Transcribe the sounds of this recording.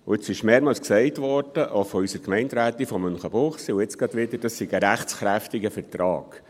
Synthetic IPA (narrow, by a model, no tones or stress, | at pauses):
ʊ̰ɪt͡sɪʃmeːɾmɑːlsksɛɪt̪ʋɔɾd̥əʔofɔysəɾkmɛɪntɾæːt̪ifɔmːʏnχəb̥ʊχsiʊɪt͡sɡ̥ɑd̪ʋɪd̪əɾd̥ɑssiɡəɾæχt͡sχɾæft̪ɪɡəfəɾt̪ɾɑ̰ːɡ̥